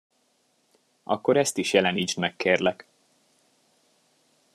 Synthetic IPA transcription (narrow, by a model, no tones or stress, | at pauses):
ɒ̰kːo̞ɾɛst̪iʃjɛlɛniːt͡ʃ̪mɛkːeːrlɛk